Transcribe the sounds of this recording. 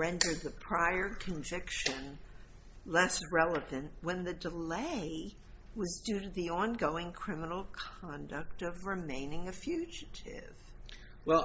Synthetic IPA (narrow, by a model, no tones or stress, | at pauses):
ɹɛ̃ndə˞d̪̚ðɨpʰɹ̥aɪə˞kʰɨ̃ɱvɪkʃɨ̃n | lɛsɹɛlˠəvɨ̃nʔwə̃nðɨdəleɪɪ | wʌzdʉɾɨðiɑ̃nɡoʊɪ̃ŋkʰɹ̥ɪmənl̩ˠkʰɑ̃ndɨk̚tʌvɹɪmẽɪ̃nɪ̃ŋɨfjʉd͡ʒɨɾɪ̰v̥ | wɛlˠ